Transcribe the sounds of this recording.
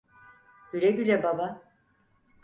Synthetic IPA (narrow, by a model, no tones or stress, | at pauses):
ɟ̥yɾɛɟyɾɛbaba